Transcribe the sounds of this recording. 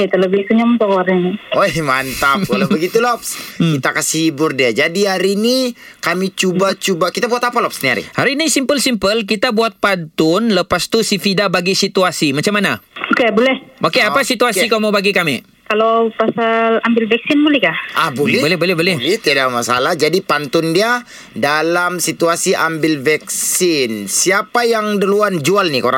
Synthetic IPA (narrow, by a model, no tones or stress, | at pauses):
t̪ələbɪhsuɲamt̪awaɾɲaniohmant̪akalawbəɡit̪ulɔpskit̪akasihibʊrdiad͡ʒadiɦaɾini | kamit͡ʃubat͡ʃubakit̪abuat̪apalɔpsniaɾḭhaɾinisimpəlsimpəlk̬it̪abuat̪̚pant̪ʊnləpast̪usifidabaɡisit̪uasimat͡ʃamːanaokebolɛhʔokeapasit̪uasikamabaɡikami | kalawpasalambɪlvɛksɪnbolɛhkaabolɛbolɛbolɛbolɛhlɛht̪iadamasa̰lahd͡ʒadipant̪ʊndia | dalamsit̪uasiʔambɪlvɛkssɪnsiapajaŋdəluand͡ʒualnikoɾa̰ŋ